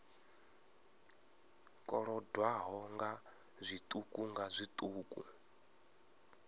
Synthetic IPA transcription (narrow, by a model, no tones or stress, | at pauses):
kʼɔɺɔdwaɦɔŋɡa | zʷit̪ʼukʼuŋɡazʷit̪ʼuːkʼṵ